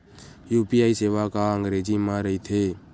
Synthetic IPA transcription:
juːpiːaːiːseːʋaːkaːəŋɡɾeːd͡ʒiːmãːɾəiːt̪ʰeː

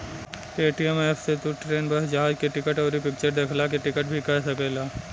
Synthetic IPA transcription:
eːʈiɛmeːfʰset̪uʈɾeːnbɐɦd͡ʒɐɦaːd͡ʒkeʈɪkəʈɔːɾipɪk̚t͡ʃəɾd̪eːkʰlak̬eʈɪkəʈbʱikɐsɐkeːlaː

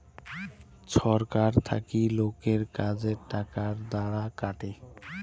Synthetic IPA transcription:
t͡ɕʰɔɾkaɾt̪ʰa̰kilokeɾkad͡ʑeɾʈakaɾd̪aɽakaʈe

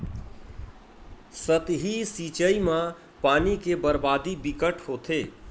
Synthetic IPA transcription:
sət̪ɦisiːt͡ʃəimã | paːnikebəɾbaːd̪ibɪkəʈhoːt̪ʰeː

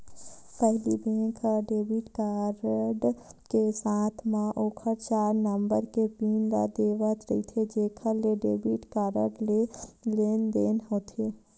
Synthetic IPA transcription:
pɛɦlibẽːkʰaɖeːbiʈkaːɾəɖkesãːt̪ʰmãʔoːkʰəɾt͡ʃaːɾnəmbəɾkepiːnɾa̰d̪eːʋət̪ɾəit̪ʰed͡ʒeːkʰəleɖeːbiʈkaːɾə̰ɖleleːnd̪eːnɦoːt̪ʰeː

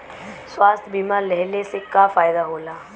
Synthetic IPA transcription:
swaːst̪ʰbiːmalɛɦlesekafaːjd̪aɦoːlaː

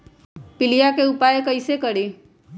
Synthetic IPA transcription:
pɪlijakeʊpaːjekəisekəɽe

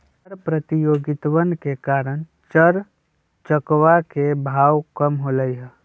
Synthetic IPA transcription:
ɾpɾət̪ijoːɡɪt̪wənkekaːɾəñ | t͡ʃəɾ | t͡ʃəkwakebʱaːwkəmɦoləiɦɛː

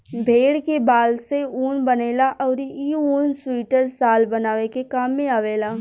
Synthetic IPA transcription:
bʱeːɽkebaːlseuːnbɐneːlaʔɔːɾiuːnswiːʈəɾsaːlbɐnaːʋekekaːmːẽaːʋeːlaː

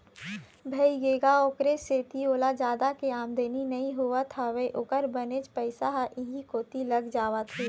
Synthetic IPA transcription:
bʱɐiɡeːɡaoːkɾeseːt̪ioːlad͡ʒaːd̪akeaːmd̪eːninɐĩɦʊʋat̪ʰaʋeʔʊkəɾbɐnet͡ʃpəɪsaɦaʔɪɦĩkoːt̪ilɐɡd͡ʒaːʋat̪ʰi

